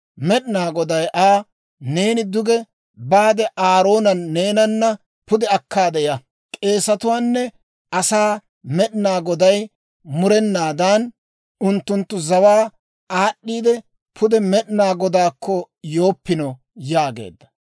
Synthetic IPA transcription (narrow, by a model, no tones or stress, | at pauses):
mɛɗɪnaːɡɔd̪ɐjʔaː | ne̞ːnɪd̪ʊɡɛ | baːd̪ɛʔaːɾo̞ːnɐnːe̞ːnɐnːɐ | pʊd̪ɛɐkːaːd̪ɛjɐ | kʼe̞ːsɐt̪ʊwaːnːɛ | ʔɐsaː | mɛɗɪnaːɡɔd̪ɐj | mʊɾɛnːaːd̪an | ʊnt̪ːʊnt̪ːʊzɐwaː | aːɗːiːd̪ɛ | pʰʊd̪ɛmɛɗɪnaːɡɔd̪aːkːɔ | jo̞ːpːɪnɔ | jaːɡḛːd̪ːɐ̥